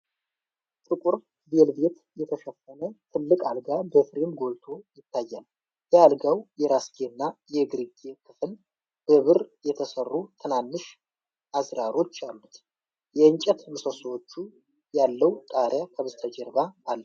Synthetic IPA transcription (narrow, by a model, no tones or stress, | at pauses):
t̪ʼɨkʷʼuɾ | belbe̞t̪ | jɛt̪ʰəʃɛfːənət̪ʰɨlːɨkʼalɡabəfɾimɡo̞lt̪ʰo̞jɪt̪ʰːajːal | jɛalɡawjɛɾasɡʰeɨnːajɛɡɨɾiɡekʰɨfɨl | b̥əβɨrjɛt̪ʰəsərːut̪ʰɨnanːɨʃ | ʔazɾaɾo̞t͡ʃːalːut̪ | jɛɨɲt͡ʃʼɛt̪mɨsoswot͡ʃːu | jalːəwt̪ʼaɾjakʰəβɨzt̪ʰəd͡ʒɛɾbaʔalː